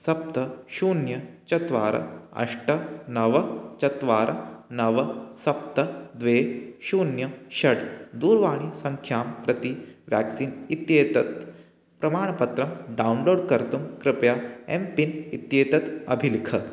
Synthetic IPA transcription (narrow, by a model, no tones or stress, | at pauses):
sɐp̚t̪ɐʃuːnjɐt͡ʃɐt̪ʋaːɾɐ̰ɐ̰ʂʈɐnɐʋɐt͡ʃɐt̪ʋaːɾɐnɐʋɐsɐpt̪ɐd̪ʋeːʃuːnjɐʃɐɽd̪uːɾʋaːɽ̃isɐŋkʰjaːmpɾɐt̪iʋja̰ːksiːnit̪jeːt̪ɐt̪ | pɾɐmaːɳ̃ɐpɐt̪ɾɐmɖawnloːɖkɐɾt̪umkɾɪpjaːempinit̪jeːt̪ɐt̪ɐ̰bʱilikʰɐ